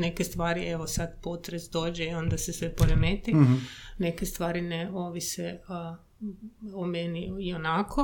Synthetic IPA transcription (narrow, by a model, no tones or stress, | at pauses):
nekest̪ʋaːɾiʔeʋosad̪po̞t̪ɾesd̪o̞ːd͡ʒeio̞nd̪asesʋepoɾemeːt̪ine̞kest̪ʋaːɾineo̞ʋise | omeniionakʰo